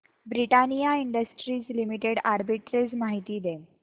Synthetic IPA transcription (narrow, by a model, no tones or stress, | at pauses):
bɾiʈanijaiɳɖəsʈɾiːt͡slimiʈeɽaɾbiʈɾet͡smaɦit̪iːd̪e